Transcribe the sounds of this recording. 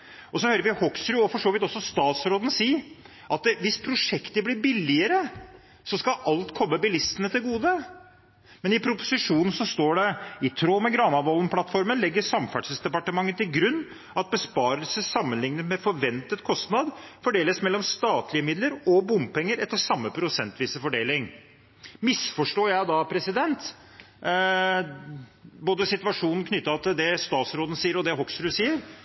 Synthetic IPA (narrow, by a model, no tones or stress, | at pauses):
ɔsɔhøːɾəɾʋɪhɔksɾʉɔfɔʂoːʋɪt̪ɔsːɔst̪ɑːt̪sɾoːd̪n̩siː | ʔɑt̪̚ʋɪspʰɾʊʂɛkt̪əblɪɾbɪlːɪəɾə | sɔskɑʔɑlt̪kʰɔmːəbɪlɪst̪ənət̪ʰɪlɡuːd̪ə | mɛnɪpʰɾʊpʊ̥sɪʂuːnn̩sɔst̪oːɖɛɪt̪ʰɾoːmɛɡɾɑːnɑʋɔlən̩pʰlɑt̪fɔɾmənlɛɡːəsɑmfæɖʂəsd̪ɛpɑʈəmɑŋːət̪ʰːɪlɡɾʉnː | ɑt̪̚bəspɑːɾəlsəsɑmːənlɪŋnət̪mɛfɔɾʋɛnt̪ət̪kʰɔst̪nɑd̪fɔɖeːləsmɛlːɔmst̪ɑːt̪lɪəmɪd̪ləɾɔbʊmpɛŋːəɾɛt̪ːəʂɑmːəpʰɾʊsɛnt̪ʋiːsəfɔɖeːlɪŋ | mɪsfɔʂʈoːjæɪd̪ɑpʰɾɛsɪd̪ɛnt̪ | boːd̪əsɪt̪ʋɑʂuːnn̩kʰnʏt̪ːəɾɑt̪ʰːɪld̪ɛst̪ɑːt̪sɾoːd̪n̩siːəɾɔd̪ɛɦɔksɾʉːsiːəɾ